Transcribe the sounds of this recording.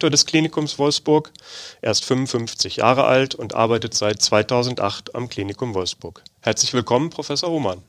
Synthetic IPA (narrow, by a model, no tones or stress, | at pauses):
toːɐdɛskl̥iːnɪkʰʊmsv̥ɔlfsb̥ʊɐkʔeːɐɪstfʏmʊnfʏnft͡sɪçja̰ːʁ̞əʔa̰ltʰʊntʔa̰ɐbaɪtətz̥aɪt̚t͡sv̥aɪtʰaʊzn̩tʔa̰χta̰mkl̥iːnɪkʊmvɔlfsb̥ʊɐkhɛɐt͡slɪçv̥ɪlkʰɔmənpʁ̥ofɛsoɐhoːman